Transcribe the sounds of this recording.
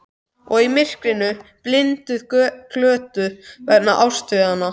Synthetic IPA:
ɔɣimɪr̥kɾɪnʏplɪnt̪ʏðkʰlœːt̪ʏvɛɾnaʔawst̪ʏðanːa

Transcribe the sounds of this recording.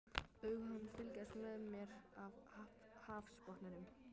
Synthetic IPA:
œːɥɣhanfɪlcast̪vɛðmjɛɾavha | haːfspɔht̪naɾʏm

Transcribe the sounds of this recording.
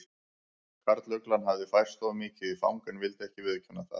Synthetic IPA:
kʰaɾt̪lœklanɦavðɪfajr̥st̪ɔvmiːcɪifa̰wŋkanvɪlt̪ɛhcɪvɪðʏcʰɛnːaθa̰ð

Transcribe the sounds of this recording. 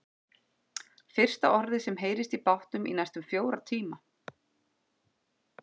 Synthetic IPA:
fɪr̥st̪aʔɔɾðɪsɛmɦeːjɾɪst̪ipawht̪ʏmḭnajst̪ʏmfjoːwɾat̪ʰiːma

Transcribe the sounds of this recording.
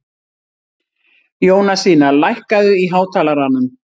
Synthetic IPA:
joːwnasiːnalajhkaðʏiɦaːwt̪ʰaːlaɾanʏm

